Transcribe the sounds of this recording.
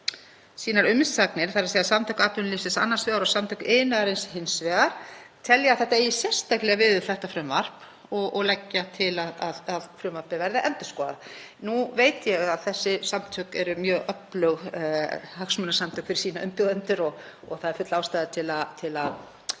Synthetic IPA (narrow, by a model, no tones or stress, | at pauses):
siːnaɾʏmɪst̪saknɪɾ̥θaɾseːjasamt̪ʰœkaːt̪ʏnlɪsɪsa̰nːasvɛːɣaɾɔsamt̪ʰœkeːjnaɣaɾejnshɪnsvɛːɣaɾ̥t̪ʰɛljaaθɛht̪aeːjɪsjɛr̥st̪aklɛɣavɪðʏθɛht̪afɾʏmvar̥p | ɔɣɔɣlɛcːat̪ʰɪlaðaðaðfɾʏmvaɾ̥pɪvɛɾðɪʔɛnt̪ʏ̥skɔːða̰ | nuveːjt̪jɛɣaðθɛsːɪsamt̪ʰœkɛɾʏmjœːɣʔœplœɣ | haksmʏnasamt̪ʰœːkfɪɾɪ̥ɾsiːnaʔʏmpʏɣðœnt̪ʏɾɔɣ | ɔɣθaðɛɾ̥fʏt̪laːwst̪aːðat̪ʰɪlat̪ʰɪlað